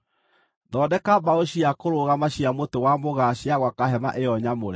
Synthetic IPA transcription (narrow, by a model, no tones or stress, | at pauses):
dɔdɛkabaoɕiakoɾoɣamaɕiamotowamoɣaɕiaɣwakaɦɛma̰ʔejɔɲamoɾɛ